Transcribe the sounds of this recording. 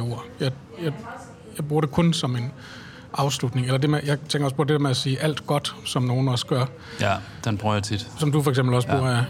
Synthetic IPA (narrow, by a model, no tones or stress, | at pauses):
o̝ɐ̰jɑ̈ɪ | jɑ̈ɪ | jɑ̈ɪb̥uɐɾ̥e̝kʰɔ̽nsɒ̽me̝n | ʔɑ̈ʊslud̥ne̝ŋelɐd̥e̝mejɑ̈ɪt͡sʰeŋɡ̥ɐɒ̽spʰɒ̽dedeɐmeæsiːʔæl̰d̥ɡ̥ɒ̽d̥sɒ̽mno̝ːn̩ɒ̽sɡ̥ɶɐ̰ | d̥enb̥ʁœt͡sʰid̥sɒ̽md̥ufɒ̽ɐeɡ̥semb̥l̩ɒsb̥uɐ